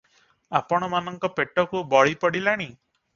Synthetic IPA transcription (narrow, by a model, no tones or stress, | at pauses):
apɔɽ̃ɔmanɔŋkɔpeʈɔkubɔɭipɔɽilaɽ̃i